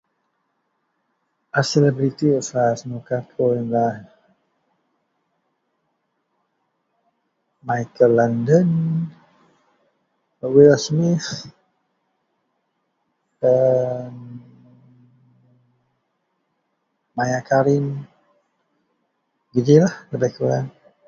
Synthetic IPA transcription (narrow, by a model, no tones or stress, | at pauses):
ʔasɛlɛbɾit̪iɔfasnukatʰɔnlan | majkəlandən | wilasmɪθ | ən | majakaɾɪn | ɡid͡ʒilahdabajkəla̰n